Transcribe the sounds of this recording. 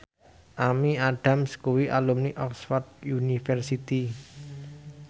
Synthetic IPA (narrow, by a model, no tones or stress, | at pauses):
ʔamiaɖ̥a̤mskuwiʔa̰lumniʔɔksfɔrd̪̚junifɛrsit̪i